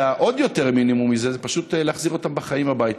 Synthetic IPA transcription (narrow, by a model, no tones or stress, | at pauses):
aʔo̞d̪jo̞te̞ʁminimumːizezepaʃut̪leaχziʁo̞tambeχaimhabajit̪